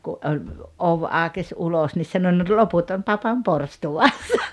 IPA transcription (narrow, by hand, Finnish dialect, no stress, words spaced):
ku olʲ oʋ ɑə̆kes ulos nis sɑno no loput on pɑpɑm porstuwɑsːɑ